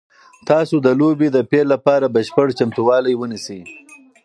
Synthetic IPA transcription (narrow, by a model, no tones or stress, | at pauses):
t̪ɑsod̪əlobed̪əpelːapɑɾabəʃpəʈt͡ʃamt̪uwɑlajwənisi